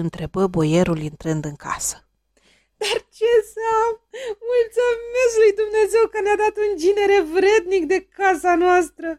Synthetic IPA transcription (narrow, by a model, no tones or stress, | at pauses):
ɨnt̪ɾe̞bəbo̞je̞ɾulint̪ɾɨnd̪ɨŋkʰa̰sə̥ | d̪̥art͡ʃe̞sammult̪some̞slujd̪umne̞ze̞wkənead̪at̪und͡ʒine̞ɾe̞vɾe̞d̪nikd̪e̞kasanoast̪ɾə